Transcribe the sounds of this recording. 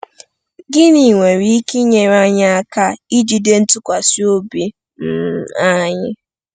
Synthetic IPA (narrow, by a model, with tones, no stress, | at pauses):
ɡɪ˦ni˨ŋʷe˨ɾi˦ki˦ɲe˨ɾa˦ɲa˦a˦ka˦i˦d͡ʒi˨de˦n̩˦tʊ˦kʷa˨si˦o˦bi˦ | m̩˦˨a˦ɲɪ˦